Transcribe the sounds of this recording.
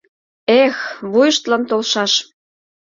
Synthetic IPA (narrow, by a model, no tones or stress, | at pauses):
exβujəʃt̪lɑnt̪olʃɑʃ